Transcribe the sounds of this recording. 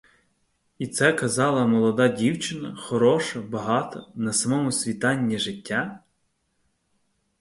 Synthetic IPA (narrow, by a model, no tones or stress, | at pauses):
it̪sɛkɐzɑlˠɐmɔlˠɔd̪ɑdʲiwt͡ʃɪnɐxɔɾɔʃɐbɐɦɑt̪ɔnɐsɐmɔmʊsʲʋʲit̪ɑnʲːiʒɪtʲːa